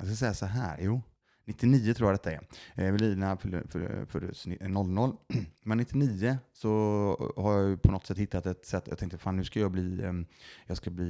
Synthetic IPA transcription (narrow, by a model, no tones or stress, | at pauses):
jɑ̰skasɛjːasɔɦæːɾjuː | nɪt̪ːɪniːət̪ʰɾuːjad̪ɛt̪ːaɛ̰ɾɛɾvɛliːlənaffœ̰ɾfœ̰ɾsnɔlːnɔlːmɛnːɪt̪ːɪniːəsɔhaɾjɑjpʰɔnɔt̪sɛt̪ːhɪt̪ːat̪ɛt̪sɛt̪ːjɑ̰t̪ɛŋkt̪əfaːnːʉ̟ːʂkajɑːɡbliː | jɑːɡskabliː